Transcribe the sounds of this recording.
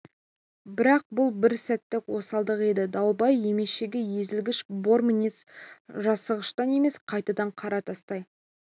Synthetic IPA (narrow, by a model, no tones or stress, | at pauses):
bɪɾɑq̚bʊlˠbɪɾsæt̪ːɪkwo̞sɑlˠd̪əqe̞d̪ɪd̪ɑwˠbɑje̞me̞ʃeɡʲeje̞zɪlɡʲɪʃbo̞ɾminʲisʒɑsəʁəʃt̪ɑne̞me̞sqʰɑjt̪ɑd̪ɑɴqʰɑɾɑt̪ʰɑst̪ɑj